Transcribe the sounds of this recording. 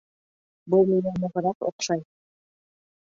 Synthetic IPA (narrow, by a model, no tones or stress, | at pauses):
bulˠminæmŏʁɤ̆ɾɑqo̰qʃɑj